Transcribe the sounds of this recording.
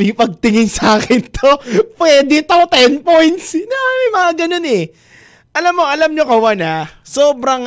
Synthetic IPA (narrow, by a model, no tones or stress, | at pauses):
pipɐɡ̚t̪ɪŋɪnsaːkɪnt̪opwɛːd̪ɪt̪ot̪ɛnpojnt̪snɐjmɐŋaɡɐno̞nɛ | ʔɐlamːo̞ɐlɐmɲokɐwɐnasoːbɾɐŋ